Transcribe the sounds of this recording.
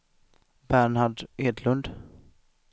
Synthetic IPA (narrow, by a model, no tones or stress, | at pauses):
bæɳaɖeːd̪lɵnd̪